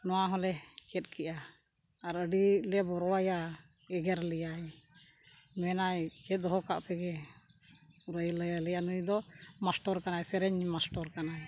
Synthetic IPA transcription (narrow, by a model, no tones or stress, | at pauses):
nɔwaɦɔlɛkɛt̪̚kʰɛʔaː | ɾəɖilɛbɔɾɔwaja | ɛɡɛɾlɛjaj | mɛnajkɛd̪ɔɦɔka̰ʔpɛɡɛ | uɾəjləjlɛjanujd̪ɔmasʈɔɾkanajsɛɾɛɲmasʈɔɾkanaj